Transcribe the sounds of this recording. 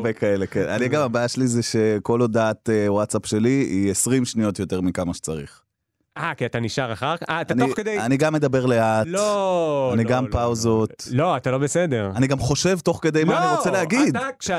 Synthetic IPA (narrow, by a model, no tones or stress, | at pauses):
bekaelekena̰niaɡamabajaʃelizeʃe̞ko̞lod̪aːt̪ewatsapʃe̞liiesʁimʃnio̞t̪jo̞t̪e̞ʁmikamaʃe̥t͡saʁḭχ | ʔakiat̪aniʃaʁaχaʁkaʔatanoked̪ejaniɡamːe̞d̪abe̞ʁle̞at̪l | aniɡampawzo̞t̪lo̞at̪alo̞besed̪eʁaniɡamχo̞ʃe̞vt̪o̞χke̞d̪e̞jmaaaniʁot͡seleaɡid̪